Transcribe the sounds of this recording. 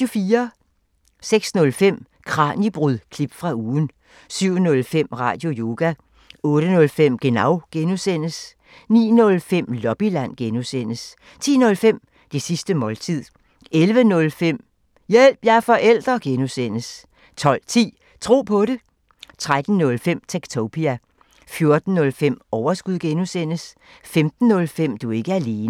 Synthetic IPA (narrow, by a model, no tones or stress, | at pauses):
ofiːɐ | seɡ̥snɔ̽lfem̰ | kʰʁɑ̰̈ːnib̥ʁyðˠkʰlib̥fʁɑ̈uːn̩ | syʊ̰nɔ̽lfem̰ʁɑ̰̈ːd̥jo̝jo̝ːɡ̥æ | ɔ̽ːɾ̥ənɔ̽lfem̰ɡ̥e̝nɑ̈ʊ̰ɡ̥enusen̰əs | nḭːnɔ̽lfem̰lɒ̽b̥ilæn̰ɡ̥enusen̰əs | t͡sʰḭːnɔ̽lfem̰ | d̥e̝sisd̥əmɒ̽lt͡sʰið̰ˠ | elʋənɔ̽lfem̰ | jel̰b̥jæfɒ̽ʔel̰d̥ʁɐɡ̥enusen̰əs | t͡sʰɒ̽l̰t͡sʰḭː | t͡sʰʁo̝̰ːpʰɒ̽ɾe̝ | t͡sʰʁad̥n̩nɔ̽lfem̰t͡sʰeɡ̥t͡sʰopʰiæ | fjo̝ɐd̥n̩ːɔ̽lfem̰ɒʊɐsɡ̥uð̰ˠɡ̥enusen̰əs | femd̥n̩ːɔ̽lfem̰d̥ue̝ɡ̥əæɐle̝ːnə